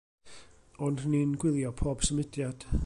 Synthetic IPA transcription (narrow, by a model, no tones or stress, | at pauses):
ɔndninɡwɪðˠjɔpʰɔb̥səmɪd̥jad̥